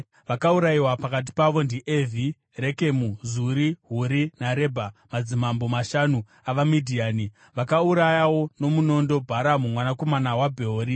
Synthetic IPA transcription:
ʋakauɾaiwapakat̬i̥paʋo̞ndiʔevʱi | reke̞muzuɾiɦuɾinaɾe̞bʱamad͡zimambo̞maʃanu | aʋamidʱiaːni | ʋakauɾajawo̞no̞muno̞ndo̞bʱaɾamumwanako̞manawabʱeoɾi

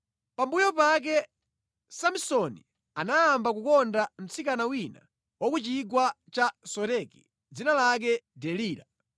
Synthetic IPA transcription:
pambujɔpak̬ɛ | samsɔnḭ | anaːmbakukɔndam̩t͡sikanawina̰ | wɔkut͡ʃiɡwa | t͡ʃasɔɾɛkḭ | d͡zinalak̬ɛdɛliːɾa

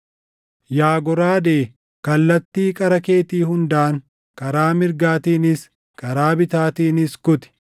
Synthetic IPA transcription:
jaːɡɔɾaːd̪eː | kɐlːɐt̪ːiːkʼɐɾɐkeːt̪iːhʊnd̪aːŋ | kɐɾaːmɪɾɡaːt̪iːnɪs | kɐɾaːbɪt̪aːt̪iːnɪskʊt̪ɪ̥

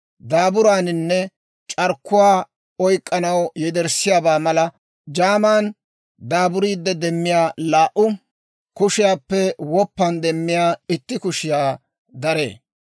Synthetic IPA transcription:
d̪aːbʊɾaːnɪnːɛ | t͡ʃʼɐɾkːʊwaː | ɔjkʼːɐnɐwjɛd̪ɛɾsɪjaːbaːmɐlɐ | d͡ʒaːmaːn | d̪aːbʊɾiːd̪ːɛd̪ɛmːɪjaːlaːʔʊ | kʊʃɪjaːpːɛwɔpːɐnd̪ɛmːɪjaːɪt̪ːɪkʊʃɪjaː | d̪ɐɾḛː

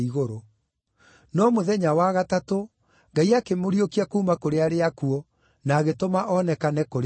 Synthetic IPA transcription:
iɣoɾo | nɔmoðɛɲawaɣatato | ŋɡaiakemoɾiokiakuːmakoɾeaɾeakuɔ | naːɣetomaʔɔnɛkanɛkoɾ

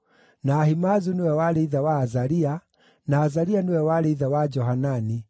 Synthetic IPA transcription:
naːhimazunewɛwaɾeiðawaːzaɾia | naːzaɾianewɛwaɾeiðawad͡ʒɔɦanani

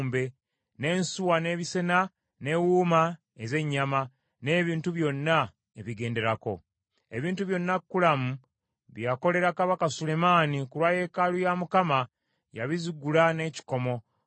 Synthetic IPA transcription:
mbe̞ | ne̞ːnsuwane̞ːβise̞na | ne̞wuːma | eze̞ɲːama | ne̞ːβiːntuβjo̞nːa | eβiɡe̞ːnde̞ɾako̞̰ | e̞βiːntuβjo̞nːakːulamu | βjako̞le̞ɾakaβakasule̞maːnikuɾwaːje̞kalujamukama | jaβiziɡulane̞ci̥ko̞mo̞

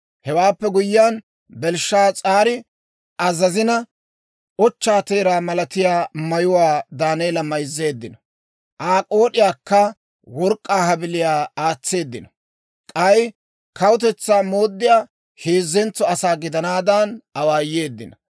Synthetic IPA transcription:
hɛwaːpːɛɡʊjːaːn | bɛlʃːaːt͡sʼaːɾɪ | ɐzɐzɪnɐ | ɔt͡ʃːaːt̪eːɾaːmɐlɐt̪ɪjaːmɐjʊwaːd̪aːnejːlɐmɐjzːe̞ːd̪ːɪnɐ | ʔaːkʼo̞ːɗɪjaːkːɐ | wɔɾkʼːaːhɐbɪlɪjaːaːt͡sːe̞ːd̪ːɪnɐ | kʼɐj | kʰɐwʊt̪̬ɛt͡sːaːmo̞ːd̪ːɪjaː | heːzːɛnt͡sːɔɐsaːɡɪd̪ɐnaːd̪anɐwaːjːe̞ːd̪ːɪnɐ

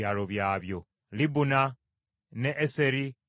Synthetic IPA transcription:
aloβjaːβjo̞ | libuna | neʔːseɾi

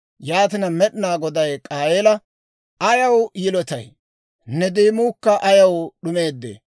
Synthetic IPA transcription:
jaːt̪ɪnɐmɛɗnaːɡɔd̪ɐjkʼaːjeːlɐ | ʔɐjɐwjɪlɔt̪ɐ̰j | nːɛd̪eːmuːkːɐʔɐjɐwɗʊme̞ːd̪ːḛː

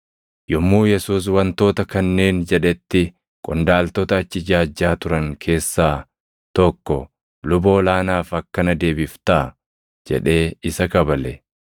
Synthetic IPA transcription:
jɔmːuːjɛsuːs̬wɐnt̪o̞ːt̪ɐkɐnːe̞ːnd͡ʒɛᶑɛt̪ːɪ | kʼʊnd̪aːlt̪ɔt̪ɐːt͡ʃːɪd͡ʒaːd͡ʒːaːt̪ʊɾɐŋkʰe̞ːsːaː | t̪ɔkːɔ | lʊbo̞ːlaːnaːfɐkːɐnɐd̪e̞ːbɪft̪a | d͡ʒɛ̰ᶑe̞ːɪsɐkɐbɐlɛ

